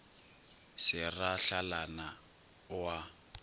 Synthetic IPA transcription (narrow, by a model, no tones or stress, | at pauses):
sɪraɬalana | wa